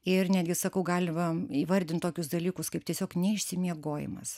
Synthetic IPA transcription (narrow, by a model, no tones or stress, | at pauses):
ɪrnʲæːd̪ʲɡʲɪsɐkɐʊɡɑːlʲɪmɐiːʋɐɾʲd̪ʲɪnt̪oːkʲʊsd̪ɐlʲiːkʊskɐɪp̚tʲiɛsʲoːknʲɛɪʃʲsʲɪmʲiɛɡoːjɪ̰mɐ̰s